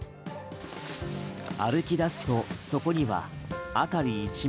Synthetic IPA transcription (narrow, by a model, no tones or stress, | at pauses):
aɾɯ̟kʲid̪asɨ̥t̪o̞so̞ko̞ɲ̟iβa̰ | at̪aɾʲiːt͡ɕi